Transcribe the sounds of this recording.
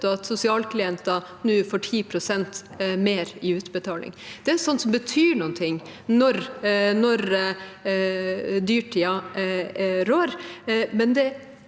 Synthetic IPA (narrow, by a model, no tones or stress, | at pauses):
t̪ɔɑt̪sʊsɪɑːlkʰlɪɛnt̪ɑnʉːfɔʈʰiːpʰɾʊsɛnt̪ | meːɾɪʉːt̪bət̪ʰɑːlɪ̰ŋd̪̥ɛæsɔnt̪sɔmbət̪ʰyːɳuːnt̪ʰɪŋːnɔɾnɔɾ | d̪yːʈʰiːɑ | ɾoːɾmɛnd̪ɛ